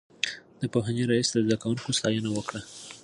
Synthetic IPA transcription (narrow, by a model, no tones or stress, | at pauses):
d̪̥əpoɦaneɾajisd̪əzd̪akawuŋkost̪ɑjənawəkɽa